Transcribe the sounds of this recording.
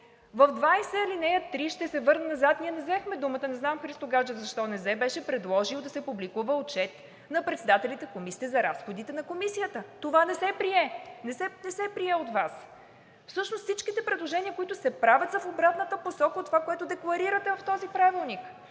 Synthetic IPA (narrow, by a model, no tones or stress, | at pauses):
vəvd̪vajsɛilinɛjət̪ːɾiʃt̪ɛsɛvɤɾnɛnɐzat̪niɛnɛzɛxmɛd̪umət̪ənɛznamxɾist̪oɡad͡ʒəzɐʃt̪ɔnɛzɛbɛʃɛpɾɛd̪lˠɔʒiwˠd̪ɐsɛpublikuvəot͡ʃɛt̪ | nɐpɾɛt̪sɛd̪at̪ɛlit̪ɛkomisiːɛzɐɾasxod̪it̪ɛnɐkomisijət̪ət̪ovanɛsɛpɾiɛnɛsɛnɛsɛpɾiɛot̪vas | fsɤʃnost̪sit͡ʃkit̪ɛpɾɛd̪lˠoʒɛniəkoit̪ʊsɛpɾavʲət̪sɐfobɾat̪nət̪əposɔkəot̪ːovakoɛt̪ʊd̪ɛklˠɐɾiɾət̪ɛvɐft̪ɔzipɾavilˠnik